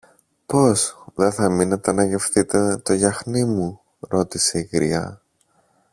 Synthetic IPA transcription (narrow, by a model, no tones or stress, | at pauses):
po̞sðe̞θɐminet̪ɐnɐʝe̞fθit̪e̞t̪o̞ʝɐxnimu | ɾo̞t̪ise̞iɣɾḭɐ̰